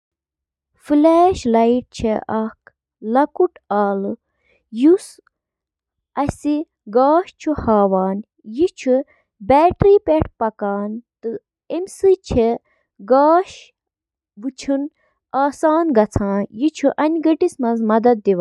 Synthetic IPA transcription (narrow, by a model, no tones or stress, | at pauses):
fileːʃlɐjiʈ̚t͡ʃʰeʔɐk | lɐkuʈaːlɨ | jus | ɐsi | ɡaːʃt͡ʃʰuhaːʋaːn | jit͡ʃʰu | bɛːʈɾiːpeʈʰpɐkaːnt̪ɨ | emʲsɨt͡ʃʰe | ɡaːʃ | ʋɨt͡ʃʰun | aːsaːnɡɐt͡sʰãːjit͡ʃʰuʔɐnʲɡɐʈismɐnzmɐd̪ɐd̪̚ːiʋaː